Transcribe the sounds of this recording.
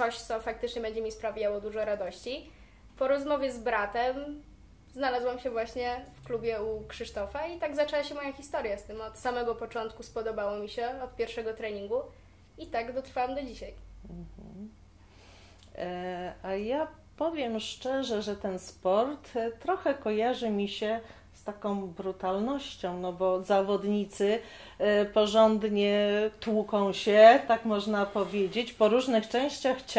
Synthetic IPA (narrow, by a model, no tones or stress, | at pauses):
t̪ɔɕt̪sɔfakt̪ɘt͡ʂɲɛbɛɲd͡ʑɛmʲispɾavʲjawɔd̪uʐɔɾad̪ɔɕt͡ɕi | pɔɾɔzmɔvʲjɛzbɾat̪ɛm | znalazwamɕɛvwaɕɲɛfklubʲjɛukʂɨʂt̪ɔfait̪aɡzat͡ʂɛwaɕɛmɔjaxʲist̪ɔɾjast̪ɘmɔt̪samɛɡɔpɔt͡ʂɔnt̪kuspɔd̪ɔbawɔmʲiɕɛɔt̪pʲjɛɾfʂɛɡɔt̪ɾɛɲiŋɡu | it̪aɡd̪ɔt̪ɾfawamd̪ɔd͡ʑiɕajm̩ | aja | pɔvʲjɛmʂt͡ʂɛʐɛʐɛt̪ɛnspɔɾt̪t̪ːɾɔxɛkɔjaʐɘmʲiɕɛ | st̪akɔ̃w̃bɾut̪alnɔɕt͡ɕɔ̃w̃nɔbɔzavɔd̪ɲit̪sɘ | pɔʐɔnd̪ɲɛt̪wukɔ̃w̃ɕɛt̪akmɔʐnapɔvʲjed͡ʑet͡ɕpɔɾuʐnɘxt͡ʂɛ̃w̃ɕt͡ɕaxt͡ɕ